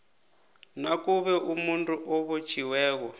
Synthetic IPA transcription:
nakuβɛʔumuntʼuʔɔβot͡ʃʰiwɛːkɔ

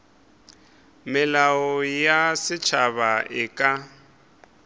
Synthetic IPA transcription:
mɪlaɔjasɪt͡ʃʰaβaʔɪkʼa

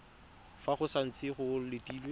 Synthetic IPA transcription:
faχʊsan̩t͡sʼɪχʊlɪtiːlwe

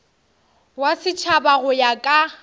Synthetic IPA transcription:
wasɪt͡ʃʰabaɣʊjakʼa

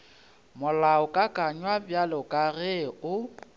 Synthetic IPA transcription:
mʊlaʊkʼakʼaɲwabjalɔkʼarɛʊ

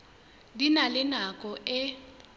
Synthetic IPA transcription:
dinalɪnakʼɔʔɛ

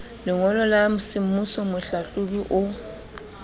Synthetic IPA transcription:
lɪŋɔlɔlamʊsimmusɔmʊɬaɬubiʔʊ

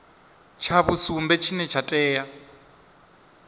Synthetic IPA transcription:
t͡ʃʰaβusumbɛt͡ʃʰinɛt͡ʃʰatʼɛːja

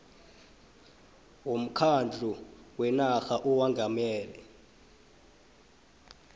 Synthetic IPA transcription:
wom̩kʰand͡ɮʱuwɛnaxaʔɔwaŋɡʱamɛːlɛ

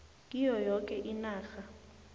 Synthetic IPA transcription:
kʼijɔjɔkʼɛʔinaːxa

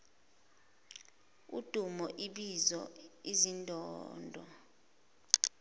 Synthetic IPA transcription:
ṵd̥ʱumɔʔiɓizɔizindʱɔːndʱɔ̰

